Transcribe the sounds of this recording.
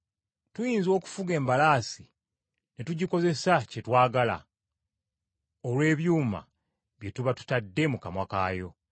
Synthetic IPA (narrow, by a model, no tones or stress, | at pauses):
tujiːnzo̞ːku̥fuɡe̞ːmbalaːsi | netuɟiko̞ze̞sace̞twaːɡala̰ | olwe̞ːβjuːma̰ | βje̞tuβatu̥tadːe̞mukamwakaːjo̞